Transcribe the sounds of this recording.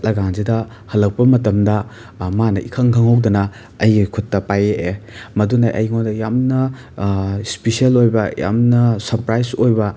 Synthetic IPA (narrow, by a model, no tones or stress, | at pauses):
lɐɡaŋzidɐ | hɐlɐk̚pɐmɐtɐmdɐ | manɐʔikʰɐŋkʰɐŋɦɐwdɐnɐ | ɐjkʰutːɐpajeʔemɐdunaʔɐ̰jŋondɐjamnɐ | spisielojbɐja̰mnɐsɐɾpɾajsojbɐ